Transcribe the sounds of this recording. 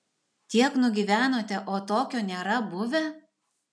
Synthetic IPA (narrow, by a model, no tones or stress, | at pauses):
t̪ʲiɛknʊɡʲiːʋʲæːnoːt̪ʲɛʔoːt̪oːkʲoːnʲeːɾɐbʊʋʲɛ